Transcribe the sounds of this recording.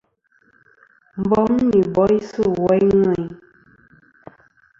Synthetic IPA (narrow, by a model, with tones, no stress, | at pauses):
m̩˨bɔ˦m̩˦ni˨bɔ˨˦i˦sɨ˦˨wɔ˨˦i˦ŋɛ˨i˦